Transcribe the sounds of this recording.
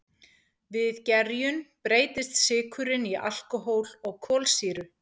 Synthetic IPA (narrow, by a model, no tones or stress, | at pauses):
vɪðcɛɾjʏnpɾeːjt̪ɪst̪sɪːkʰʏɾɪniʔa̰l̥kʏɦoːwlɔɣkʰɔːlsiːɾʏ